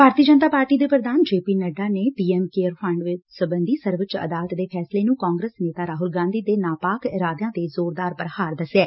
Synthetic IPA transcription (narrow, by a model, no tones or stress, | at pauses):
bʱaːɾt̪iəd͡ʒənt̪aːpaːɾʈiːd̪eːpɾəd̪aːnd͡ʒeːpiːnəɖaːneːpiːɛːmkeːəɾpʰə̃ɳɖʋɪt͡ʃsəbənd̪iːsəɾʋət͡ʃə̰d̪aːlət̪d̪eːpʰɛːsleːnũːkãːŋɡɾəsneːt̪aːɾaːɦʊlɡãːnd̪iːd̪eːnaːpaːkɾaːd̪jãːt̪ezoːɾd̪aːɾpəɾhaːɾd̪əsɛː